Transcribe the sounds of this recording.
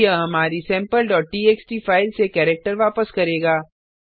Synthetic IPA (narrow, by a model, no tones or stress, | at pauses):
əɦɐmaːɾisɛ̃ːmpəlɖɔːʈ̚ʈiːeːksʈifaːɪlsekɛːɾek̚ʈəɾʋaːpəskɐɾeːɡaː